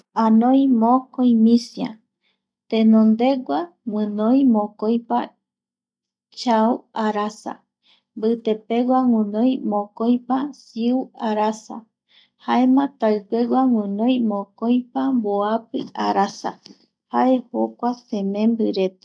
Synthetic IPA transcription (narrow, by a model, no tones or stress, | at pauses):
ãnõjmõkojmĩsjã̰ | t̪ẽnõnd̪e̞ɡʷa | wʷɨ̃nõjmõkojpa | t͡ʃauaɾasa̰ | mbɨt̪epeɡʷaŋɨ̃nõj̃mõkojpasiuaɾasa̰ | haemãt̪aɨpeɡʷaŋɨ̃nõj̃mõkojpamboapɨ̰a̰ɾasa̰ | haʔehokʷasẽmẽmbɨɾet̪e̥